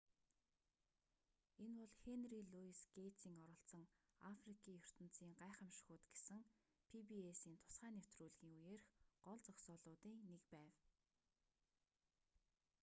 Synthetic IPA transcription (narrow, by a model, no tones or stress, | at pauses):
enpɔɮxenriɮuisɡejʰt͡siːŋɔɾɞ̆ɬt͡sə̆ŋ | afrikʰiːjɵr̥t̪ə̆n̥t͡siːŋɢaːχə̆mʃxʊːt̪ɡesɘ̆ŋ | pʰipiesiːnt̪ʰʊ̥sχæːnew̥t̪ruːɮɣiːŋujeːrxɢɔɮt͡sɔksɔːɮʊːt̪iːnekpæːw